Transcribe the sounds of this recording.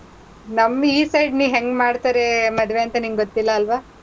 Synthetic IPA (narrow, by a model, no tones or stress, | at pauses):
nɐmːiːsɐjɖniːʋɦeŋɡmaːɖt̪aːɾe̞mɐd̪ʋeɐnt̪ɐniːmɡɡot̪ːilːɐːlʋaː